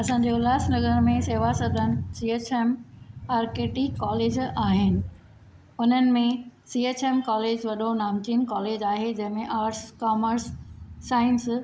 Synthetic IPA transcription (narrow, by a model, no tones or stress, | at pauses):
ɐsãːɲd͡ʑeʊlaːsnɐɡəɾmẽseːʋasɐd̪ʱənɪ̆siːeːt͡ɕeːmaːɾkeːʈikːaːleːd͡ʑaːɦɪnɪ̆ | ʊn̤ənɪ̆mẽsiːeːt͡ɕeːmkaːleːd͡ʑʋɐɗonaːmt͡ɕin̆kaːleːd͡ʑaːɦed͡ʑɐ̃ɦɪ̃mẽʔaːɾʈskaːməɾsːaːɪns